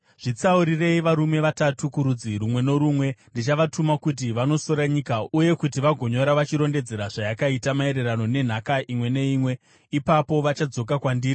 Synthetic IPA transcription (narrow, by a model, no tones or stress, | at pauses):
ʐ̥it͡sauɾire̞iʋaɾume̞ʋatatukuɾud͡ziɾumwe̞no̞ɾumwe̞ndit͡ʃaʋatʰumakut̬iʋano̞so̞ɾaɲikauje̞kut̬iʋaɡʱo̞ɲo̞ɾaʋat͡ʃiɾo̞nde̞d͡ze̞ɾaʐajakaitamae̞ɾe̞rano̞ne̞n̤akaʔimwe̞ne̞iːmwe̞ | ipapo̞ʋat͡ʃad͡zo̞k̬akwandiːri